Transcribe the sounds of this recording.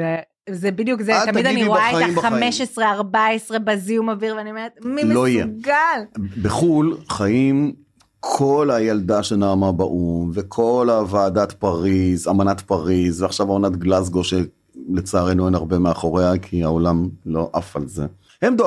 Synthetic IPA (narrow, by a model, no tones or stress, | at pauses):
e | zebid̪jukzet̪amidaniʁoaaeaaimbameʃesʁeaʁbaesʁe̞baziumaviʁveaniomeet̪̚miloijeɡalbeχulχajim | kʰo̞lajald̪aʃenaːmabaʔumvekʰo̞lavaːdat̪paʁizamanat̪paʁizveaχʃavamanat̪ɡlazɡo̞ʃe | let͡saaʁenoenaʁbe̞meaχo̞ʁeakʰiaolamlo̞ʔafalze | hemd̪o